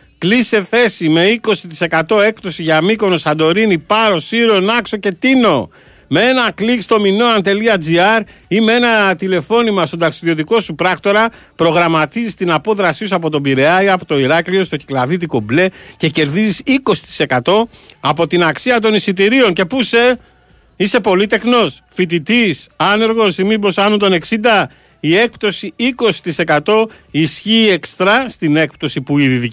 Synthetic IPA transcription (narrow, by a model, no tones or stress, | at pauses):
klisse̞θe̞sime̞iko̞sit̪i̥se̞kɐt̪o̞e̞kt̪o̞siʝɐmiko̞nosɐnd̪o̞ɾinipɐɾo̞siɾo̞nɐkso̞ce̞t̪ino̞ | mee̞nɐklikst̪o̞mino̞ɐnt̪e̞liɐd͡ziɐɾimee̞nɐt̪ile̞fo̞nimɐst̪o̞d̪ɐksiðio̞t̪̬iko̞supɾɐkt̪o̞ɾɐ | pɾo̞ɣɾɐmɐt̪izist̪inɐpo̞ðɾɐsisuɐpo̞t̪o̞biɾe̞ɐjɐpot̪o̞iɾɐclio̞st̪o̞ci̥klɐðit̪̬ikoble̞ce̞ce̞ɾðizisiko̞si̥t̪i̥se̞kɐt̪o̞ɐpo̞t̪inɐksiɐt̪̬o̞nisit̪̬iɾio̞ŋce̞puse̞ | ise̞po̞lit̪e̞xno̞sfit̪̬it̪isɐne̞ɾɣo̞simibo̞sɐnunt̪o̞ne̞ksind̪ɐ | ie̞k̚pt̪o̞siiko̞si̥t̪ise̞kɐt̪o̞isçiːe̞kst̪ɾɐst̪ine̞k̚p̚t̪o̞sipuiðiði